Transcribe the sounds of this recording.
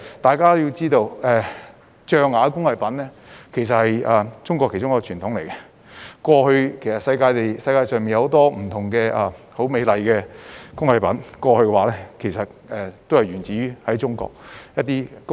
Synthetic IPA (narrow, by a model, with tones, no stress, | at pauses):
t̪aː˨jkaː˥t̪o˥ji˧t͡siː˥t̪o˧wɛ˨˧ | t͡ʃœː˧ŋːaː˨˧kʊ˥ŋhɐ˨jpɐ˨˥nlɛː˥ | kʰe˨˩js̬ɐ˨t̚hɐ˨jɛ˨t͡sʊ˥ŋkɔː˧kʰːe˨˩jʈ͡ʂʊ˥ŋjkːɔ˧t͡ʃʰyː˨˩nt̪ʰʊ˨˥ŋle˨˩jkɐ˧ | kʷɔː˧hɵ˧ɥkʰe˨˩jsɐ˨t̚sɐ˧jkaː˧jt̪e˨jsɐ˧jkaː˧sœː˨ŋmiː˨njɐ˧ho˨˧˥t̪ɔː˥m̩˨˩t̪ʰʊ˨˩ŋkɛː˧ʔɛ˨ | ho˨˥wme˨˧jlɐ˨jkɛː˧kʊ˥ŋhɐ˨˧jpɐ˨˥nkʷɔː˧hɵ˧kɛ˧waː˨˥lɛː˥kʰe˨˩jsɐ˨t̚ɛː˨˩t̪o˥hɐ˨jɥyː˨˩nt͡siː˨˥jyː˥hɐ˨˥jt͡sʊ˥ŋkɔ̰ː˧k̚jɐ˥t̚t̪iː˥k